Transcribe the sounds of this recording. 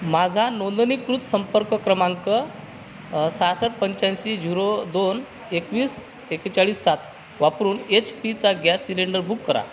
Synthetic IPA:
mad͡zʱanond̪ənikɾut̪səmpəɾkəkɾəmãŋkə | sasəʈ̚pəɲt͡ɕãnsid͡ʑʱiɾod̪on | ekʋiːs | ekt͡ɕaɭiːsːat̪ʰ | ʋapɾuːnet͡ɕpit͡saɡjasːileɳɖəɾbʱukːəɾa̰

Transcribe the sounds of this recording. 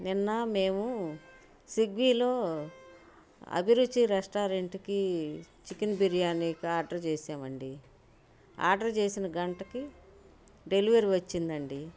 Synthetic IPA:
ninːɐme̞ːmu | siɡʋiːlo̞ː | ɐ̰bʱiɾudːiɾesʈaːɾeɳʈikit͡ʃikinbiɾijaːnːikiaːɾɖɐɾt͡ʃeːsaːmɐɳɖi | a̰ːɾɖɐɾt͡ʃe̞ːsinɐɡɐɳʈɐki | ɖe̞liʋɐɾiʋɐt͡ʃːind̪ɐɳɖi

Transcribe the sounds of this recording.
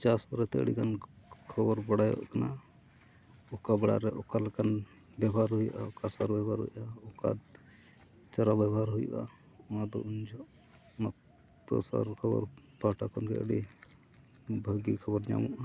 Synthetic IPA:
t͡ʃaspɔɾɛt̪ɛə̰ɽḭkan | kʰəbɔɾbɔɽajɔ̰ʔkana | ɔkabɛɽa̰ɾɛʔɔkalɛkan | bɛbaɾɦujʔaɔkasaɾbɛbaɾɦṵjʔaɔka̰ | t͡ʃaɾabjɛbɔɦaɾɦujʔa̰ | mad̪ɔ̰uɲd͡ʒɔʔ | ma | pɾɔ̰sa̰ɾkʰəbɔ̰ɾ | paʈakɔnkɛəɽi | bʱəɡikʰəbɔɾɲa̰mɔʔa

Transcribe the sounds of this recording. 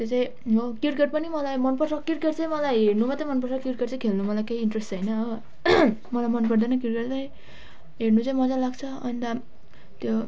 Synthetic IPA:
t̪jot͡sãĩ | mʌkirkeʈ̚pʌnimʌlajmʌnpʌrsʰʌkirkeʈt͡saĩmʌlajɦernumʌt̪ʌmʌnpʌrsʰʌkirkeʈt͡saĩkʰelnumʌlajkeiːnʈresʈt͡sʌjnʌʌ | mʌlajmʌnpʌɽd̪anʌk̬irkeʈt͡saj̃ | ɦeɽnut͡saĩmʌd͡zalaɡt͡sʰʌʌnt̪a | t̪jo

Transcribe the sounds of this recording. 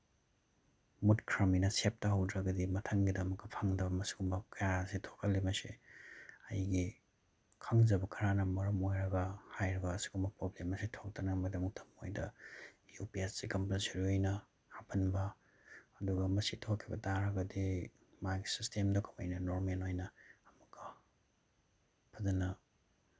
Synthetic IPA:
mutkʰɾɐminɐsep̚tɐɦɐwdɾɐɡɐdimɐtʰɐŋɡidɐmɐktɐpʰaŋdɐbɐmɐsiɡumbɐkɐjaɐsitʰo̥kʰɐlːimɐsḭ | ɐ̰jɡi | kʰaŋd͡ʒɐbɐkʰɐɾanɐmɐɾɐmojɾɐɡɐhajɾɐɡɐːsi̥ɡumbɐpɾoblemɐsitʰok̚tɐnɐmɐdɐŋutʰɐmojdɐjupiessikɐmpensiɾiojnɐ | hapʰɐnbɐ | ɐduɡɐmɐsitʰokʰːibɐ̰taɾɐɡɐdi | maɡisistʰemdɐkʰɐmɐ̰jnɐnoɾmenojnɐːmɐkʰːɐ | pʰɐzɐnɐ

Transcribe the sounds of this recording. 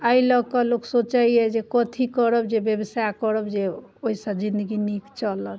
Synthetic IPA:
əilɔɡkɔloksot͡ʃaiɛd͡ʒekɔt̪ʰikɔɾəbd͡ʒebjebəsajkɔɾəbd͡ʒeoisəbd͡ʒind̪əɡinikt͡ʃɔlət̪

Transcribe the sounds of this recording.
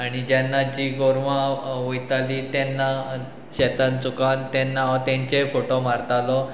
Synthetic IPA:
aɽ̃id͡ʑanːad͡ʑiːɡoɾʋãʋojt̪alit̪janːa | ɕet̪ant͡sukant̪anːat̪jãɲt͡ɕefoʈomaɾt̪alɔ

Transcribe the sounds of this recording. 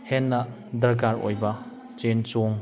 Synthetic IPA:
henːɐ | dɾɐkaɾo̰jbɐ | t͡ʃent͡ʃoŋ

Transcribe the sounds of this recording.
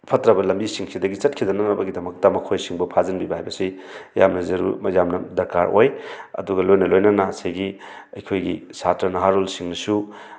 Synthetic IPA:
pʰɐtɾɐbɐlɐmbisiŋsidɐɡit͡ʃɐt̚kʰidɐnɐnɐbɐɡidɐmɐk̚tɐmɐkʰojsiŋbɐpʰazɐnbibaɦajbɐsi | jamnɐzɐɾṵmɐjamnɐdɐɾkaɾojɐ̰duɡɐlojnɐlojnɐnɐsejɡi | ɐjkʰojɡisatɾɐnɐɦaɾolsiŋnɐsu

